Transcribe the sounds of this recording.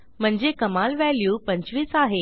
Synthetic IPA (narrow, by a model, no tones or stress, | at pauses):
m̤əɳd͡zekəmalʋæljuːpə̃ɲt͡ɕʋiːt͡saɦe